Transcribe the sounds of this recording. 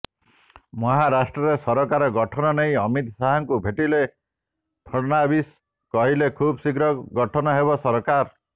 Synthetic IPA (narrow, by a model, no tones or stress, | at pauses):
mɔɦaɾasʈɾɔɾesɔɾɔkaɾɔɡɔʈʰɔnɔnej̃ɔmit̪saɦɔŋkubʱeʈile | t̪ʰɔnabis | kɔɦilekʰubsiɡɾɔɡɔʈʰɔnɔɦebɔsɔɾɔkaɾ